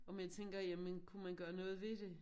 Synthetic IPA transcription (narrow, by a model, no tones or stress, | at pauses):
ɒ̽mjat͡sʰeŋ̰ɡ̥ɐjæmənkʰumænɡ̥ɶːɐnɔ̽ːð̞̩ˠʋe̝d̥e̝